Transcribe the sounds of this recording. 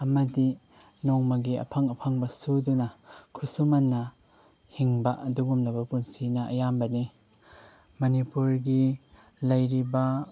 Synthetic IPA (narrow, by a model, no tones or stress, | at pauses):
ɐmɐdi | nɔŋmɐɡiɐ̰pʰɐŋɐpʰaŋbɐsudunɐkʰusumɐnːɐ | hiŋbɐʔɐduɡumlɐbɐpunsinɐʔɐ̰jambɐni | mɐnipuɾɡi | lɐjɾibɐ